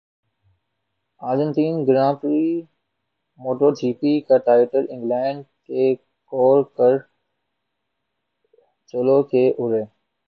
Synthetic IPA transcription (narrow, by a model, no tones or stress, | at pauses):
aːɾd͡ʒə̃nt̪iːnɡɾãːpɾi | moːʈoːɾt͡ʃiːpiːkaʈaːɪʈəɾɪ̃ŋɡlɛ̃ːɳɖke | kɔːlkəɾ | t͡ʃolokeʔʊɾeː